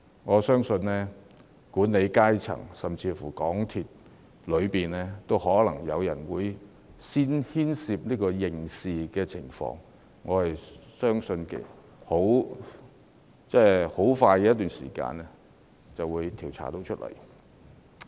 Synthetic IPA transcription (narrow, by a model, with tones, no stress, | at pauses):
ŋɔː˨˧sœː˥ŋsɵ˧nlɛː˥ | kuː˨˥nne˨˧jkaː˥jt͡sʰɐ̰˨˩ŋsɐ˨mt͡sʰiː˧fuː˨˩kɔː˨˥ŋt̪ʰiː˨t̚ | lɵ˨˧ɥpiː˨nɛː˥t̪o˥whɔː˨˥lɐ˨˩ŋjɐ˨˧wjɐ˨˩nwuː˨˧j | siː˥nhiː˥nsiː˨˧p̚niː˥kɔː˧jɪ˨ŋsiː˨kɛː˧t͡sʰɪ˨˩ŋfɔ̰ː˧ŋ | ŋɔː˨˧hɐ˨jsœː˥ŋsɵ˧nkḛ˨ | ho˨˥w | t͡sɛː˥ho˨˥wfaː˧jkɛ˧jɐ˥t̪yː˨˩nsḭː˨˩ka̰ː˧nɛ˥ | t͡sɐ˨wuː˨˧jt̪ʰiː˨˩wt͡sʰa̰ː˨˩t̪o˨˥wt͡ʃʰɵ˥t̚lɐ̰˨˩j